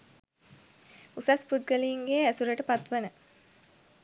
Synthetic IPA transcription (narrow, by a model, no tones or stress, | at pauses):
usaspud̪̚ɡəliːŋɡeːæsuɾəʈəpat̪ʋənə